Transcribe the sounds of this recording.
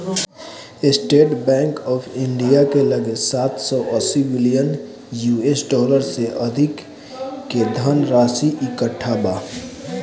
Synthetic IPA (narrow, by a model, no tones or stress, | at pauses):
ɪsʈeːʈbɛ̃ːŋkɔːfʰɪ̃ɳɖijakeləɡsaːt̪ʰsɔːʔəsibɪlijən | juːesɖɔːləɾseʔɐd̪ʱɪkː | ed̪ʱənɾaːsiʔɪkəʈʰːabaː